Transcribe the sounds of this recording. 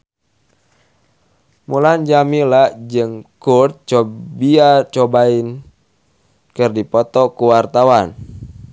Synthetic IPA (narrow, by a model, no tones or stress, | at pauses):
muland͡ʒamilaʔd͡ʒɨŋkurt̪̚t͡ʃɔbiat͡ʃɔbain | kɨrdipɔt̪ɔkuwart̪awan